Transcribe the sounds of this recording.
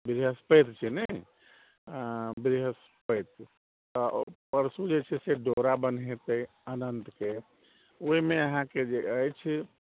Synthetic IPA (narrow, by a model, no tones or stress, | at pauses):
bɾɦəspəjt̪t͡ʃʰinə | bɾiɦəs | pəjt̪ | t̪ɔpəɾsud͡ʒet͡ʃʰɛseɖoɾabənet̪əi | ənənt̪ke | oimeəɦãked͡ʒeəjt͡ʃʰi